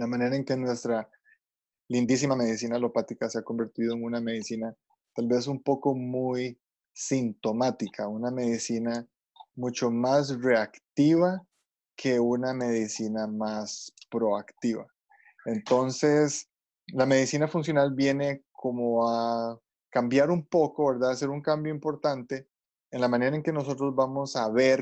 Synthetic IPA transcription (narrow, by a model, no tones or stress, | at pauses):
lamãne̞ɾaeŋke̞nwe̞st̪ɾa | lind̪is̬imame̞ðis̬inalo̞pat̪ikaseako̞mbeɾt̪ið̞oeŋuname̞ðisina | t̪albe̞s̬umpo̞ko̞muj | sint̪o̞mat̪ikʰauname̞ðisina | mut͡ʃo̞mas̬re̞akt̪iβa | kʰe̞uname̞ðisinamaspɾo̞akt̪iβa | ent̪o̞nse̞s | lame̞ðisinafunsjo̞nalbje̞ne̞kʰomoa | kambjaɾumpo̞koβe̞ɾd̪aðase̞ɾuŋkambjoimpo̞ɾt̪ant̪e̞ | enlamãne̞ɾaeŋke̞no̞so̞t̪ɾo̞zbamo̞saβeɾ